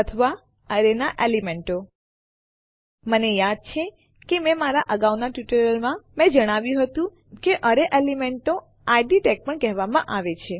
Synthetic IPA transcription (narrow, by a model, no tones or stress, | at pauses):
ət̪ʰəʋa | əɾenaʔelimeɳʈo | mənejad̪̚t͡ʃʰe | kemɛ̃maɾaʔəɡaʋnaʈjuʈəɾəlmãmɛ̃d͡ʒəɽ̃aʋjũɦət̪ũ | keʔəɾeʔelimeɳʈo | ajɖiʈɛk̚pəɳkɛɦʋamã̰ʔaʋet͡ʃʰe